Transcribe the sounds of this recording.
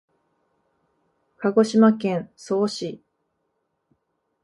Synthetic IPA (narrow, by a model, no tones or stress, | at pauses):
kaɡo̞ɕimakẽ̞ɰ̃so̞ːɕi